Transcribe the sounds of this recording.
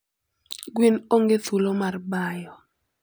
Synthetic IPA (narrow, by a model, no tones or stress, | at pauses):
ɡwinoŋɡeθulomarbajɔ